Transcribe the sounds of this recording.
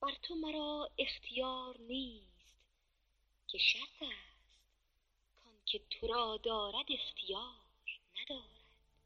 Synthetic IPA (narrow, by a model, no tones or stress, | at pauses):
b̥æɾt̪ʰomæɾɒːe̞xt̪ʰijɒːɾniːst̪ | kʰe̞ʃæɾt̪ʰæːst̪ | kʰɒnkʲʰe̞t̪ʰoɾɒːd̪ɒːɾæd̪e̞xt̪ʰijɒː | ɾnæd̪ɒːɾæd̪̥